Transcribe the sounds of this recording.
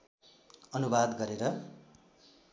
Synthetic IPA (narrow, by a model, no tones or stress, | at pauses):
ʌnubad̪ɡʌɾeɾʌ